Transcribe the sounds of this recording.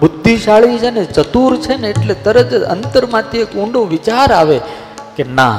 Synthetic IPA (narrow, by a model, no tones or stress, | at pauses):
bʊd̪ʱːiʃaɭʋit͡ʃʰenet͡ʃət̪uɾt͡ʃʰeneːʈlet̪əɾəd͡ʒə̰nt̪əɾmãt̪ʰiekũɳɖoʋɪt͡ʃaɾaʋe | kena̰